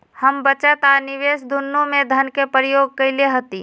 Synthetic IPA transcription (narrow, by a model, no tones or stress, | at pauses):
həmbət͡ʃət̪anɪʋeːsd̪ʱʊnːõmẽd̪ʱɐnkepɾjoːɡ̚kɐɪleɦət̪i